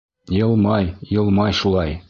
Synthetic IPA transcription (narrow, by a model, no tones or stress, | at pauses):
jɤ̆lˠmɑjjɤ̆lˠmɑjʃulˠɑj